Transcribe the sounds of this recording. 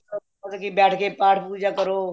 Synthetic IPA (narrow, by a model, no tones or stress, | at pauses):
o | azəkiːbɛːʈʰkeːpaːʈʰpuːd͡ʒaːkəɾoː